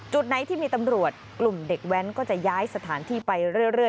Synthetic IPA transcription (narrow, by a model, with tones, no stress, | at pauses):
t͡ɕu˨˩t̪̚na˩˦jt̪ʰiː˥˩miː˧t̪a˧mɾu˨˩ət̪̚klu˨˩mde˨˩k̚wɛ˦˥nkɔː˥˩t͡ɕa˨˩jaː˦˥jsa˧t̪ʰaː˩˦nt̪ʰiː˥˩pa˧jɾɯ˥˩əɾɯ˥˩ə